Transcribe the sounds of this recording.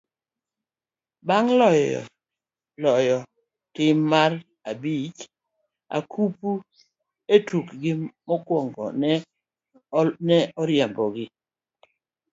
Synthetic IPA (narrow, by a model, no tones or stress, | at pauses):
baŋlɔjɔ̰ | lɔjɔ | tɪmːar | abit͡ʃ | a̰kʰupu | etukɡɪmɔkwɔŋɡɔ̰nɛ | nɛɔɾjɛmbɔɡɪ